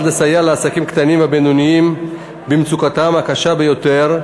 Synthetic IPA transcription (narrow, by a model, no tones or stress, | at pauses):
lasajaleasakimkt̪animabenuniim | bimt͡sukat̪amhakaʃabejo̞t̪eʁ